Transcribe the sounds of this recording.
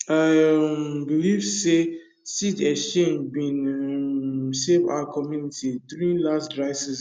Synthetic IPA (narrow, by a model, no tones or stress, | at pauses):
a | bilivse | sitɛsʃẽnbĩn | seva̰ʊakʰɔmjunitʰiduɹĩnlasdɹaɪsɛs